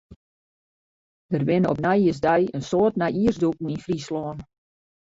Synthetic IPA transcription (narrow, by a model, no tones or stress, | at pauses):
d̥ərʋɪnəɔ̰pnɛjəsdɛjənsoːtnɛjiəsduk̩infrislɔːn